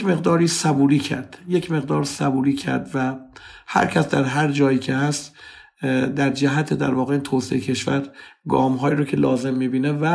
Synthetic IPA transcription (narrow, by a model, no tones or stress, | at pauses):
me̞ɣd̪ɒːɾiːsæbuːɾiːcʰæ̰ɾd̪̥jecʰme̞ɣd̪ɒːɾsæbuːɾiːcʰæ̰ɾd̪væhæ̰ɾcʰæsd̪æɾɦæɾd͡ʒɒːjiːcʰe̞hæst̪ | d̪æɾd͡ʒæɦæt̪ʰed̪æ̰ɾvɒːɣe̞iːnt̪ʰoːseecʰe̞ʃvæɾɡɒ̰ːmɦɒːjiːɾocʰe̞lɒːze̞mːiːbiːnevæ